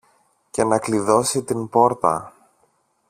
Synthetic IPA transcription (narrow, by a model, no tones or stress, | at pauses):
ce̞nɐkliðo̞sit̪impo̞ɾt̪ɐ̰